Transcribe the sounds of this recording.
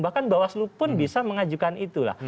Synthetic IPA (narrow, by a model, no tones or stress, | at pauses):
bahkanbawaslupʊnbisaməŋad͡ʒukanit̪ula̰